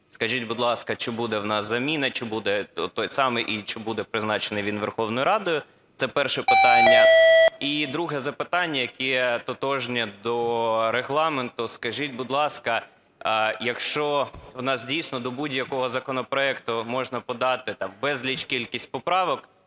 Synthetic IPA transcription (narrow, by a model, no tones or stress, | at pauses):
skɐʒitʲbʊd̪lˠɑskɐt͡ʃɪbud̪ɛwnɑszɐmʲinɐt͡ʃɪbud̪ɛɔt̪ɔjsɑmɛʔit͡ʃɪbud̪ɛpɾɪznɑt͡ʃenɪʋʲinʋerxɔwnɔjʊɾɑd̪ʊjʊ | sɛpɛrʃɛpɪt̪ɑnʲːɐid̪ɾuɦɛzɐpɪt̪ɑnʲːɐjɐkɛt̪ɔt̪ɔʒnʲɐd̪ɔɾeɦlˠɑment̪ʊskɐʒitʲbud̪lˠɑskɐ | jɐkʃt͡ʃɔwnɑsdʲijsʲnɔd̪ɔbudʲjɐkɔɦɔzɐkɔnɔpɾɔɛkt̪ʊmɔʒnɐpɔd̪ɑt̪ɪt̪ɑmʋɛzʲlʲit͡ʃkʲilʲkʲisʲt̚ʲpɔpɾɑʋɔk